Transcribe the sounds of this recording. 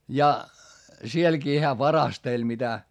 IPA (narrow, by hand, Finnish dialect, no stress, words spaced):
jɑ sielkiː hæː ʋɑrɑstelʲ mitæ